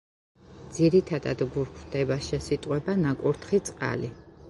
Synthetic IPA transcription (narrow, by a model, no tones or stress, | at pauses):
d̪z̥iɾit̪ʰad̪a̰d̪ɡuɾkʰɾd̪ɛbaʃɛsit̪ʼqʼwɛbanakʼuɾt̪ʰχit̪sʼqʼa̰li